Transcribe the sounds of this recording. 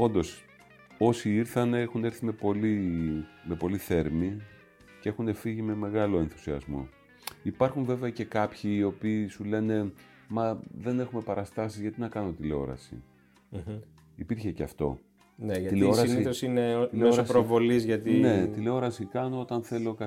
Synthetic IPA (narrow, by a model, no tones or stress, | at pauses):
o̞nd̪o̞s | o̞siiɾθɐneexune̞ɾθime̞po̞li | me̞po̞liθe̞ɾmi | cee̞xune̞fiʝime̞me̞ɣɐlo̞e̞nθu̥siɐ̰zmo̞̰ | ipɐɾxuɱve̞veɐce̞kɐpçiːo̞piːsule̞ne̞ | mɐðe̞ne̞xume̞pɐɾɐst̪ɐsizʝɐt̪inɐkɐno̞t̪ile̞o̞̰ɾɐ̰sḭ | ipiɾçeceɐ̰ft̪o̞̰ | neileoɾniosineileeosɾovo̞lizʝɐt̪ine̞t̪ile̞o̞ɾɐsikɐno̞o̞t̪ɐnθe̞lo̞kɐ